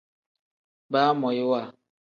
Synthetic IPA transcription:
ba˦mɔ˨ji˦wa˦˨

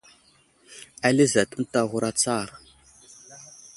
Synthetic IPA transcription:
a˦li˦za˨tu˦m˦ta˦ɣu˦ɾa˦t͡sa˦˨ɾ

